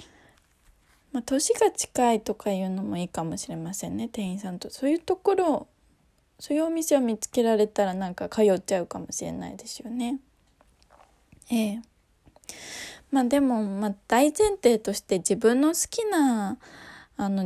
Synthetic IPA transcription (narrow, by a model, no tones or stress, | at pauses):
mat̪o̞ɕiɡat͡ɕi̥kait̪o̞kajɯ̟ːno̞mo̞iːkamo̞ɕiɾe̞masẽ̞nːe̞t̪ẽ̞ɰ̃ĩsãnt̪oso̞ːjɯ̟t̪o̞ko̞ɾo̞ | so̞ːjɯ̟omʲise̞omʲit͡sɨ̥ke̞ɾaɾe̞t̪aɾanãŋkakʰajo̞t͡ɕaɯ̟kamo̞ɕiɾe̞̰na̰ḭd̪e̞sɨ̥jo̞ne̞ | eː | maːd̪e̞mo̞mad̪̥aizẽ̞nt̪e̞ːt̪o̞ɕi̥t̪e̞d͡ʑibɯ̟̃nːo̞sɨ̥kʲina | no̞